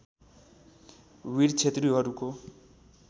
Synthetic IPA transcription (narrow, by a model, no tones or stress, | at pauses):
wiɾt͡ʃʰet̪riɦʌɾuko